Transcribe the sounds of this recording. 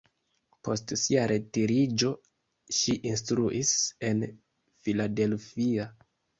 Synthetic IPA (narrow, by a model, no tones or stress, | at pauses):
po̞stsiaɾʔe̞tiɾid͡ʒo̞ | ʃiʔinstɾuʔise̞n | filade̞lfia